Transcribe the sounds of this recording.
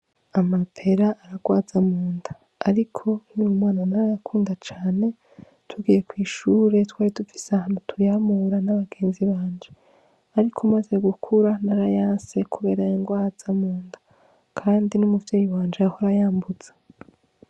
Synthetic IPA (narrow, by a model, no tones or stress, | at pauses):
amapʰe̞ɾaʔaɾaɡwaːzamuːndaː | ɾikʰo̞niumŋaːnanaɾajakʰuːndat͡ʃaːne̞ | tʰuɡiːje̞kwiːʃuːɾe̞twaːɾitufi̥seahanutʰujamuɾanaβaɡe̞ːnziβaːnd͡ʒe | aɾikʰumaze̞ɡukʰuɾanaɾajaːnse̞kuβe̞ːɾajoŋɡwaːz̥amuːnda | kʰaːndinumuvjeːjiwaːnd͡ʒeahoɾajaːmbud͡z̥ḁ